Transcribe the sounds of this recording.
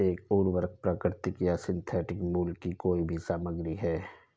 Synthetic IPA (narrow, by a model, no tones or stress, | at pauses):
eːkuːɾwəɾk̚pɾakəɾt̪ɪkjasɪ̃nt̪ʰɛːʈɪkmuːlkːikoːibʱisaːməɡɾiɦɛː